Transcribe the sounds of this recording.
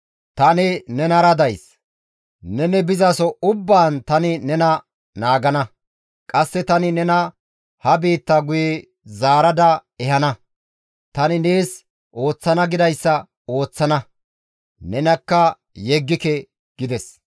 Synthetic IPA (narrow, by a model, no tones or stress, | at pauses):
t̪ɐnɪnɛnɐɾɐd̪ɐjs | nɛnɛbɪzɐsɔʊbːaːnt̪ɐnɪnɛnɐ | naːɡɐnɐ | kʼɐsːɛt̪ɐnɪnɛnɐ | hɐbiːt̪ːɐɡʊjɛ | zaːɾɐd̪ɐɛhɐnɐ | t̪ɐnɪneːs | ʔo̞ːt͡sːɐnɐɡɪd̪ɐjsːɐ | o̞ːt͡sːɐnɐ | nɛnɐkːɐ | jɛɡːɪkɛ | ɡ̥ɪd̪ɛs